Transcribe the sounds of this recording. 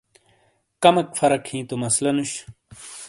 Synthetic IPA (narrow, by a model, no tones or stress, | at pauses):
kɐmɐkfɐɾɐkʰhĩːt̪omɐslɐnuɕ